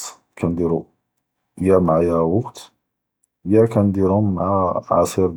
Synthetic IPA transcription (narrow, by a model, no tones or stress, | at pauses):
kʰænd̪iɾu | jæmʕajæwɑqt̪ | jækænd̪iɾʊmːʕaʕɑsiɾ